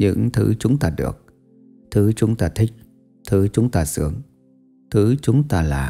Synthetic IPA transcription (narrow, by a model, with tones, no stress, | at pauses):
ɲɨ̰˧˥ŋt̪ʰɨ˧˨˦t͡ɕʊ˨˦ŋ͡mt̪aː˧ɗɨ̰˨˩ək̚ | t̪ʰɨ˨˦t͡ɕʊ˨˦ŋ͡mt̪aː˧t̪ʰï˦˥k̟̚ | t̪ʰɨ˨˦t͡ɕʊ˨˦ŋ͡mt̪aː˧sɨ̰˨˦əŋ | t̪ʰɨ˨˦t͡ɕʊ˨˦ŋ͡mt̪aː˧la̰ː˨˩